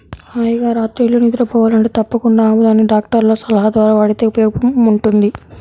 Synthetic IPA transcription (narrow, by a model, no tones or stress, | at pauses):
aːjɐɡaːɾaːt̪ɾilːonid̪uɾɐpɔːʋaːlɐɳʈeːt̪ɐpːɐkuɳɖaːmud̪aːnːiɖaːk̚ʈɐɾloːsɐlɐɦɐd̪ʋaːɾaːʋɐɽit̪e̞ːupjɔːbɐmuɳʈund̪i